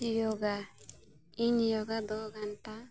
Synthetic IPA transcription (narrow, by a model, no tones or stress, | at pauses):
jɔɡa | iɲjɔɡad̪ɔɡant̪a